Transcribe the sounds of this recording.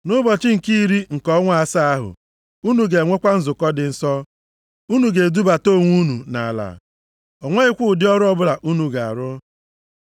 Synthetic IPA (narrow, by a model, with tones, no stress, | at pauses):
nʊ˦bɔ˨t͡ʃɪ˦ŋ̩˨ki˦˨ɾi˦ŋ̩˨kɔ˦ŋʷa˨a˦˨sa˦a˦ɦʊ̰˨ | u˦nu˨ɡe˨ŋʷe˦kʷa˦n̩˦zʊ˨kɔ˦dɪ˨n̩˦sɔ˦ | u˦nu˨ɡe˨du˦ba˨to˦˨ŋʷu˦nu˨na˨la̰˨ | ɔ˨ŋʷe˦ɪ˦kʷʊ˦ʊ˨dɪ˦ɔ˦ɾʊ˦ɔ˦bʊ˦la˨ʔu˦nu˨ɡa˨a˨ɾʊ˦